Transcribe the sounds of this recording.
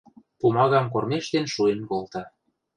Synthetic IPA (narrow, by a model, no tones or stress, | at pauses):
pumɑɣɑmkormeʃt̪enʃuenkolt̪ɑ